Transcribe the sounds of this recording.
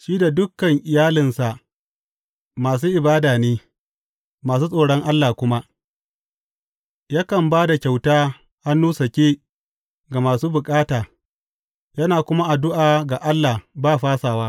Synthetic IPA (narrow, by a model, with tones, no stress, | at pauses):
ʃiː˦da˨dʊ˦kːɐ˨ŋʔɪ˨jaː˦lɪ˨nsa˨ʔ | maː˨s̬uː˦ʔɪ˨baː˦daː˨neː˦ | maː˨s̬uː˦sʼoː˨ɽɔ˦ŋʔa˦lːaː˨kʷʊ˦ma˦ʔ | jaː˦kɐ˨mbaː˦da˨kʲa˨wtaː˦ | ʔa˦nːuː˦sɐ˨kʲeː˦ | ɡa˨maː˨suː˦bʊ˨kʼaː˦taː˨ | jɐ˦naː˨kʷʊ˦ma˦ʔa˨dʊ˦ʔaː˨ɡa˨ʔa˦lːaː˨baː˦˨ɸaː˦saː˨waː˦